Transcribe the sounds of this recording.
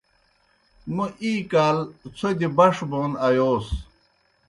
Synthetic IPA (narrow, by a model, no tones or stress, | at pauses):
muʔiːkaːlt͡sʰod̪ibɐʂboːnɐjoːs